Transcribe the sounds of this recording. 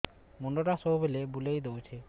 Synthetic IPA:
moɳɖoʈasoɦbelebulejd̪owt͡ɕʰe

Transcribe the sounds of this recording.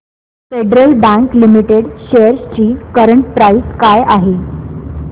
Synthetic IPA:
feɖɾəlbæ̃ŋklimiʈeɽɕeəɾst͡ɕiːkəɾəɳʈ̚pɾaiskajaɦe

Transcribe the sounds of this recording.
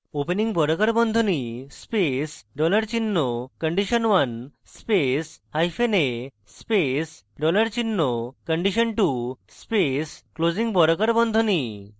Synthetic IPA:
openiŋbɔɾɔkaɾbɔnd̪ʱonispesɖɔlaɾt͡ɕinːokəɳɖiʃənʋan | speshajfʰene | spes | ɖɔləɾt͡ɕinːokəɳɖiʃənʈuspesklod͡ʑiŋbɔɾɔkaɾbɔnd̪ʱoni

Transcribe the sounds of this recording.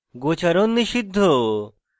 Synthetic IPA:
ɡot͡ɕɐɾonːiɕid̪ʱːo

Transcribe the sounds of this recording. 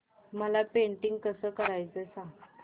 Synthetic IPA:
məlapeɳʈiŋɡ̚kəsəːkəɾajt͡səsã

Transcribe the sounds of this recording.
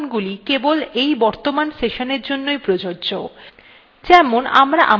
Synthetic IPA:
nɡulikebolejbɔɾt̪omanseʃoneɾd͡ʑonːojpɾod͡ʑoɾd͡ʑo | d͡ʑɛmona̰mɾaʔa

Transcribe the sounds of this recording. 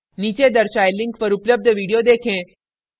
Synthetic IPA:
niːt͡ʃed̪ɐɾʃaːjlɪ̃ŋkpɐɾʊpləb̚d̪ʱʋiːɽijod̪eːkʰẽː

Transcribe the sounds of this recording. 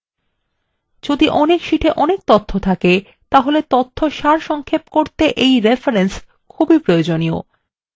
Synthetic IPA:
d͡ʑod̪iʔɔnekʃiʈʰeʔɔnek̚t̪ot̪ʰːot̪ʰake | t̪aɦolet̪ot̪ʰːoʃaɾʃɔŋkʰepkoɾt̪eʔejɾefaɾens | kʰubipɾood͡ʑonio̰

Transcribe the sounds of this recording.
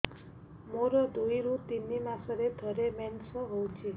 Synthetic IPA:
moɾəd̪uiɾut̪inːimãsəɾed̪ʰʱəɾemɛnsəɦowt͡ʃʰe

